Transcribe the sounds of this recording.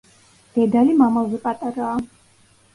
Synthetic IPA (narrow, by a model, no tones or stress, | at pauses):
d̪̥ɛd̪alimamazɛpʼat̪ʼaɾaː